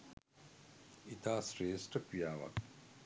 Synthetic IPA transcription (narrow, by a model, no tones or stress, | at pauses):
it̪aːsɾeːsʈɐkijaːʋɐ̰k